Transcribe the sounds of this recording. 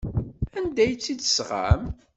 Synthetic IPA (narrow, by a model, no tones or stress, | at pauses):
ænd̪æjt͡sːid̪sʁa̰m